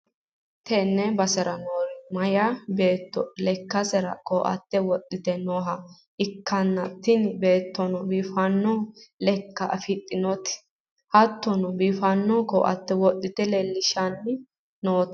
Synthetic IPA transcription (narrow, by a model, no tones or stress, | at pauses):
t̪ɛnːɛbɐsɛɾɐnoːɾɪmɐjabe̞ːt̪ːɔlɛkːɐsɛɾɐ̰koːʔɐ̰t̪ːɛwɔt̪ʼːɪt̪ɛnoːɦɐ | ʔɪkːɐnːɐt̪ːɪnbeːt̪ːɔnɔbiːfɐnːɔlɛkːɐʔɐfɪt̪ʼːɪnɔt̪ɪ̥ | hɐt̪ːɔnɔbiːfɐnːɔkɔ̰ːʔɐ̰t̪ːɛwɔt̪ʼːɪt̪ɛlɛlːɪʃɐnː | noːt̪